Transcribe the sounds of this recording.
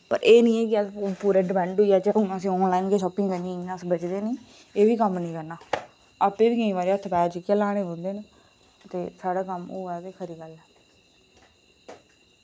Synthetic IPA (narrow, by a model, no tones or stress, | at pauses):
pə̰ɾʔeːnĩːɛːkɪəpuːɾeːɖɪmɛ̃ːɳɖʊiaːt͡ʃənːəsĩːɔːnlaːiːnkeːʃɔːpɪ̃ŋɡkəĩːãːəsbət͡ʃd̪eːnĩː | eːʋiːkəmnĩːkəɾnaː | əpeːʋiːkəĩːʋaːɾiːət̪ʰːpɛːd͡ʒɪkeːlaːɽ̃eːɦõːnd̪eːn | t̪eːsaːɽaːkəmoːɛːd̪eːkʰəɾiːɡəlɛː